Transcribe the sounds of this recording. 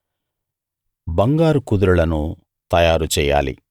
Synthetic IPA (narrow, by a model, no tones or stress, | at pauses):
bɐŋɡaːɾukud̪uɾulɐnu | t̪ɐjaːɾut͡ʃɛːja̰ːlḭ